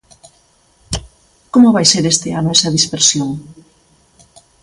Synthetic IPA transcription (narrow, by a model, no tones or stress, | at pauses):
komʊβajseɾest̪eanoesɐðispeɾsjoŋ